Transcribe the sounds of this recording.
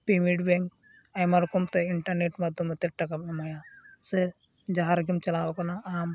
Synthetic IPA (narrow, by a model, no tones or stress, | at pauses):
pimiʈbeŋk | ɐjmɐɾkumt̪eiɳʈɐɾneʈmɐd̪umɐt̪eʈɐkɐmɐmɐjase | d͡ʒaɦaɾɡimt͡ʃɐlaːwkɐnaaːm